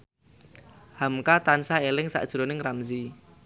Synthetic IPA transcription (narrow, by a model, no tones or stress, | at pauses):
hamkat̪ansaelɪŋsa̰ʔd̥ʒ̥ɾonɪŋramzi